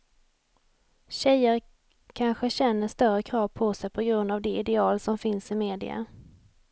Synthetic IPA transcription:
ɕɛjəɾ | kʰanɧəɕɛnːəʂt̪œrəkʰɾɑːvpʰɔsɛjpʰɔɡɾɵnd̪avd̪ɛɪd̪ɛɑːlsɔmfɪnsɪmeːd̪ɪ̰a̰

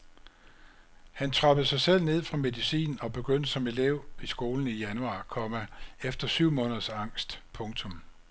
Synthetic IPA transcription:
hænt͡sʰʁɑ̈b̥ð̩ˠsɑ̈ɪsel̰ne̝ð̰ˠfʁɑ̈me̝ðˠisḭːn̩ɒ̽b̥e̝ɡ̥øn̰d̥əsɒ̽me̝leʊ̰isɡ̥o̝ːln̩ijænuɑ̈ːkʰɒ̽mæefd̥ɐsyʊ̰mɔ̽ːnð̩ˠɐsɑ̈ŋ̰sd̥pʰɔ̽ŋt͡sʰɔ̽m

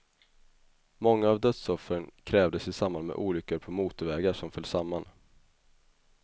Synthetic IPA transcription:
mɔŋːaːvd̪œt̪sɔfɾənkʰɾɛːvd̪əsɪsambanmɛ̰ʔuːlʏkːəɾpʰɔmuːt̪ʊvɛːɡaʂɔmfœlːsamːan

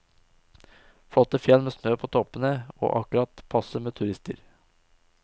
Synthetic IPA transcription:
fɽɔt̪əfjɛlmeːsnøːpʰoːt̪ʰɔpənəo̰ːʔɑkʉɾɑt̪pʰɑsəmeːt̪ʰʉɾɪst̪ə̰ɾ

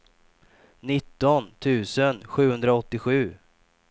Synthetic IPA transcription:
nɪt̪ːɔnt̪ʰʉ̟ːsənɧʉ̟ːhɵnd̪ɾaɔt̪ːɪɧʉ̟ː

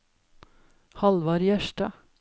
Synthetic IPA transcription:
hɑlʋɑɾjæʃʈɑ̰

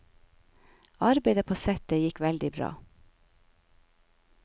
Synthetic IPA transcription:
ɑɾbeɪd̪əpʰoːsɛt̪əjɪkʋɛld̪ɪbɾɑ̰ː

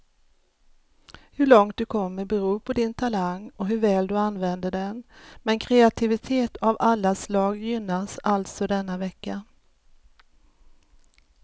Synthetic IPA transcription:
hɵɭɔŋt̪̚d̪ɵkʰɔmːəɾbɛɾuːpʰɔd̪ɪnt̪ʰalaŋɔɦɵɾvɛːld̪ɵanvɛnd̪əɖɛnmɛnkʰɾɛat̪ʰɪvɪt̪ʰeːt̪avalːaslɑːɡjʏnːasalt̪sɔd̪ɛnːavɛkːa

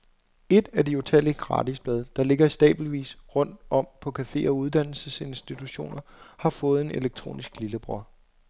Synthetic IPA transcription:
e̝d̥ædio̝t͡sʰæliɡ̥ʁɑ̰̈ːdisb̥lɛð̞ˠd̥ɑ̈le̝ɡ̥ɐisd̥ɛ̰ːb̥l̩ʋḭːsʁɔ̽n̰d̥ɒ̽m̰pʰɒ̽kʰæfe̝̰ːɒ̽uð̞ˠd̥æn̰l̩səse̝nsd̥it͡sʰuɕo̝̰ːnɐhɑ̈fɔ̽ːð̞̩ˠe̝ne̝leɡ̥̚t͡sʰʁo̝̰ːnisɡ̥liləb̥ʁɒ

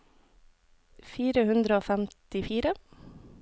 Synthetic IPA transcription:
fiːɾəhʉnd̪ɾəoːfæmt̪ɪfiːɾə

